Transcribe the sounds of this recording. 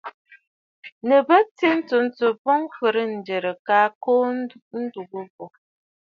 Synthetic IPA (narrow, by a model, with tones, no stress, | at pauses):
nə˨bə˦t͡se˦n̩˦tə˨˦n̩˦t͡sə˨pɔ˦ŋfə˨ɾə˦n̩˨d͡ʒə˨ɾə˨kaː˦koː˦n̩˦du˨ɡə˦bɔ˨